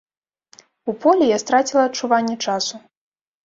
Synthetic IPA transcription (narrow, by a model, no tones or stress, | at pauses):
upɔlʲɛjast̪ɾat͡sʲilˠɐtt͡ʂuvanʲːɛt͡ʂasu